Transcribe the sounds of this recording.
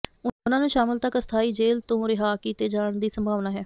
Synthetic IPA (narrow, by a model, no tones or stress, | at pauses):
ʊnãːnũːʃaːmɪlt̪əkəst̪ʰaːiːd͡ʒeːlt̪õːɾɪɦaːkiːt̪eːd͡ʒaːɳd̪iːsəmbʱaːʋnaːɦɛː